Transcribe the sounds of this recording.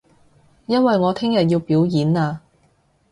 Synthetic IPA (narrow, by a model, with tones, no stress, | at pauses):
jɐ˥nwɐ˨jŋɔː˨˧t̪ʰɪ˥ŋjɐ˨t̚jiː˧wpiː˨˥wjiː˨˥naː˧